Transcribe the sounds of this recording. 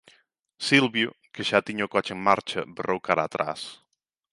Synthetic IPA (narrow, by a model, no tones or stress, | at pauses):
silβjukeʒat̪iɲokɔt͡ʃeŋmaɾt͡ʃɐ̰berʔowkaɾaːt̪ɾa̰s